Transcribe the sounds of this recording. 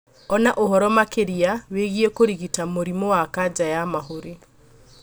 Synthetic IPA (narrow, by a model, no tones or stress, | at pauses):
ɔnaʔoɦɔɾɔmakeɾiaweɣiekoɾiɣitamoɾimowakad͡ʒajamaɦoɾi